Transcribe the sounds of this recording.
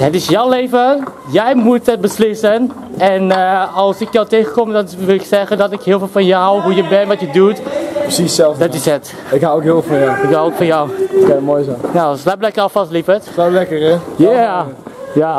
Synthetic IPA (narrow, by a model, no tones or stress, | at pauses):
ɦətɪsjɔwleːvə | jɛjmutɦət̚bəslɪsən | ɛnɑlˠsɪk̚dawtejχəkɔmdɔnʋɪlɪksɛχəndɔtɪkɦɪːlˠfɪːlˠfɔnjəɦawɦujəbɛnnʋɔtjədutprsisɛlˠfdɔtɪsət | ɪkɦawokɦɪvfɔnjawɪkɦawokfɔnjawɛmojsanaslaplɛkərɔfɑstlifətlalɛkərɛja | ja